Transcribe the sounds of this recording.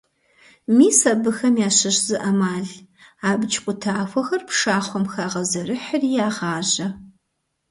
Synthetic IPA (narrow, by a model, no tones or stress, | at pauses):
miːsɐbɨxɐmjaːɕɐɕzɨʔɐmaːɮaːbɨt͡ʃʰʼqʷʊtʰaːfʷɔxɐrpʂaːχʷɔmxaːʁɐzɐrɨħərijaːʁɑːʑɐ